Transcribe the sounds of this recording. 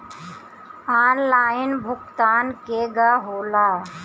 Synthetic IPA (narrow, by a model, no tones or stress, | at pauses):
aːnlaːɪnbʱʊkt̪aːnkeɡaɦoːlaː